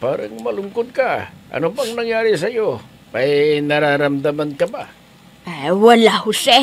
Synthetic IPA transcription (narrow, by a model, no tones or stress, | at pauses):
pa̰ːɾa̰ŋmɐlʊŋkod̪̚kaʔɐ̰nobaŋnɐŋjaːɾis̬ɐjo | ajnɐɾaɾamd̪amankɐba | awalahʊsɛ